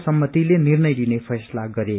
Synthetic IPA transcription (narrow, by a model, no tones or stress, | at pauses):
sʌmːʌt̪ilenirnʌjlinepʰʌjslaɡʌɾe